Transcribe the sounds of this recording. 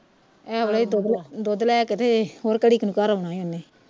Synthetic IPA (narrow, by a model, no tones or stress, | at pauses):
ɛːəleiːd̪oːd̪lad̪oːd̪lɛːkɪt̪ʰeːhoːɾkəɽiːkənukaːɾʊnãːĩʊneː